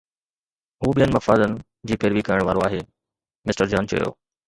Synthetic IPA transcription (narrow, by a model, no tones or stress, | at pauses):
ɦuːɓijənɪ̆mɐfaːd̪ənɪ̆ | d͡ʑiːpeːɾʋikɐɾɪəɽ̃ʋaːɾoaːɦeː | mɪsʈəɾd͡ʑaːnt͡ɕɐ̰jo̰ː